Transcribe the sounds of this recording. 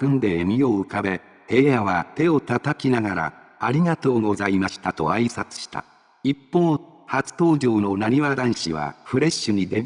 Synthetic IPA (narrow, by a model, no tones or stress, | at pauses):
kɯ̟̃nd̪e̞ːmʲio̞ɯ̟kabe̞ | he̞ːjaβat̪e̞o̞t̪at̪akʲinaɡaɾa̰ː | ɾʲiɡat̪o̞ːɡo̞zaimaɕi̥t̪at̪o̞̰aisat͡sɨ̥ɕi̥t̪a̰ | ipːo̞ː | hat͡sɨ̥t̪o̞ːʑo̞ːno̞naɲ̟iβad̪ãɰ̃ɕḭβa̰ɸɯ̟ɾe̞ɕːɨɲ̟id̪e